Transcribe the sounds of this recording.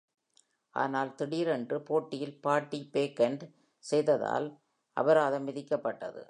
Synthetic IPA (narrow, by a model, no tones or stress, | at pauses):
ʔa̰ːnaːlt̪ɪɽiːɾɛndrɯpoːʈːɪjɪlpaːʈːipeːkːɐɳɖ | sɛjðɐða̰ːl | ʔɐ̰bɐɾaːðɐmːɪðɪkːɐpːɐʈːɐ̰ðɯ̰